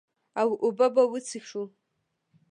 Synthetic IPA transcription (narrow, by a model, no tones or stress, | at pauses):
awiʔubabawit͡sʰixʂu